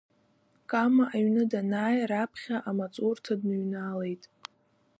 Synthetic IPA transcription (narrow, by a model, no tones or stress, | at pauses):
kʼamaʔaɥnɨdanaːjɾapʰχʲaʔamat͡sʼurtʰadnɨɥnale̞jtʼ